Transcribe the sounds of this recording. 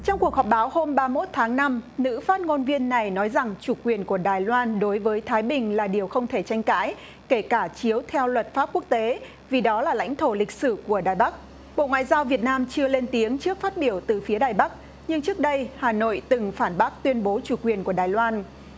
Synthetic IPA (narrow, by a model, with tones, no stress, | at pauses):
t͡ɕɔ˧wŋ͡mku˨˩ək̚hɔ˨˩p̚ɓaː˨˦who˧mɓaː˧mo˦˥t̚t̪ʰaː˨˦ŋna˧mnɨ̰˧˥faː˦˥t̚ŋo˧nvi˧ənːa˨˩jnɔ˨˦jza˨˩ŋt͡ɕu˧˩kwi˨˩ənku˧˩əɗaː˨˩jlwaː˧nɗo˨˦jvəː˨˦jt̪ʰaː˨˦jɓï˨˩ŋ̟laː˨˩ɗi˨˩əwxə˧wŋ͡mt̪ʰe˧˩t͡ɕa˧jŋ̟ka̰ː˧˥j | ke˧˩kaː˧˩t͡ɕi˨˦əwt̪ʰɛ˧wlwə˨˩t̚faː˦˥p̚ku˦˥ək̚t̪e˨˦ | vi˨˩ɗɔ˨˦laː˨˩la̰˧˥jŋ̟t̪ʰo˧˩lï˨˩k̟̚sɨ˧˩ku˧˩əɗaː˨˩jɓa˦˥k̚ | ɓo̰˧˨ŋwa̰ː˧˨jzaː˧wvi˨˩ət̚naː˧mt͡ɕɨ˧əle˧nt̪i˨˦əŋt͡ɕɨ˦˥ək̚faː˦˥t̚ɓi˧˩əwt̪ɨ˨˩fi˨˦əɗaː˨˩jɓa˦˥k̚ | ɲɨ˧ŋt͡ɕɨ˦˥ək̚ɗə˧jhaː˨˩no̰˧˨jt̪ɨ˨˩ŋfaː˧˩nɓa˦˥k̚t̪wi˧ənɓo˨˦t͡ɕu˧˩kwi˨˩ənku˧˩əɗaː˨˩jlwaː˧n